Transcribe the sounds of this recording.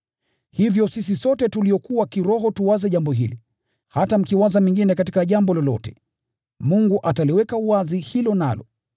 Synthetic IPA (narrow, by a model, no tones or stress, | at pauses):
hivjɔsis̬isɔtɛtuliɔkuwakiɾɔɦɔtuwazɛʄambɔɦili | hatam̩kiwazamiŋɡinɛkatikaʄambɔlɔlɔ̰tɛ̥ | muŋɡuʔataliwɛkauwazihilɔna̰lɔ̰